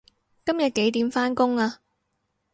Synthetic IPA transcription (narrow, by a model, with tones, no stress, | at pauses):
kɐ˥mjɐ˨t̚ke˨˥jt̪iː˨˥mfaː˥nkʊ˥ŋaː˧